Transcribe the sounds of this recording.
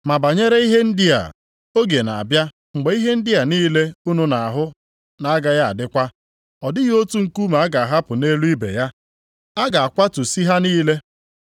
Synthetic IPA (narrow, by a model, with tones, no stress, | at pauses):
ma˨ba˨ɲe˦ɾe˦i˦ɦe˦n̩˦dɪ˦a̰˨ | o˦ɡe˨na̰˨a˨bja˦ | ŋ͡m̩˨ɡ͡be˨˦i˦ɦe˦n̩˦dɪ˦a˨niː˦le˦u˦nu˦na˨a˨ɦʊ˦ | na˨a˦ɡa˦ja˦a̰˨dɪ˦kʷa˦ | ɔ˨dɪ˦jo˦tu˦ŋ̩˦ku˦ma˨˦a˦ɡa˨ɦa˦pʊ˨ne˦lu˦i˦bḛ˨ja˦ | a˦ɡa˨a˨kʷa˦tu˨si˦ɦa˦niː˦le˦